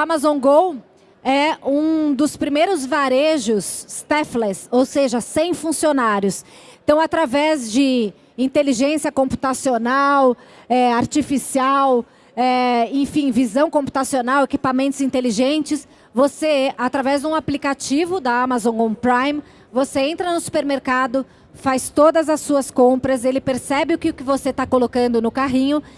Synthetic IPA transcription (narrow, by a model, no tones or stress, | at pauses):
amazõɡow | ɛũd̪ʊspɾimejɾʊzvaɾeʒʊst̪ɛflɛsowseʒɐsẽj̃fũsionaɾjʊsẽt̪ɐ̃w̃at̪ɾavɛzd͡ʒɪ | ĩnt̪eliʒẽsiɐkõmpu̥t̪asionawɛaɾt͡ʃifisiaw | ɛẽfĩvizɐ̃w̃kõpu̥t̪asionawekipamẽnt̪ʊzĩnt̪eliʒẽnt͡ʃɪs | voseat̪ɾavɛzd͡ʒ̪ũaplikat͡ʃivʊd̪ɐamazõɡõpɾajm | voseẽnt̪ɾɐnʊsu̥peɾmeɾkad̪ʊ | fajst̪od̪ɐzɐsuɐskõpɾɐzelɪpeɾsɛbɪʊkɪʊkɪvoset̪akolokɐ̃nd̪ʊnʊkaɦĩɲʊ